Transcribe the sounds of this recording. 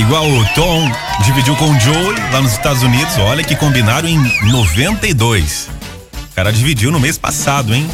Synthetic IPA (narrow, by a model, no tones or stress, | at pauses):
iɡwawʊt̪õ | d͡ʒivid͡ʒiwkõd͡ʒowilanʊzɪst̪ad̪ʊzunid̪ʊzɔʎɐkɪkõmbinaɾɐ̃ẽj̃novẽnt̪ɐid̪ojs | kaɾɐd͡ʒivid͡ʒiwnʊmespa̰sad̪ʊẽj̃